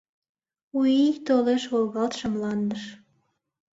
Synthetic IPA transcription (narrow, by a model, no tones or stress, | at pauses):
ujijt̪oleʃwolɣɑlt̪ʃəmlɑnd̪əʃ